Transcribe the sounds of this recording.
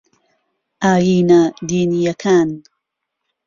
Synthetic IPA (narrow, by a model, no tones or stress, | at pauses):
ʔaːjiːnad̪iːnijɐkʰaːn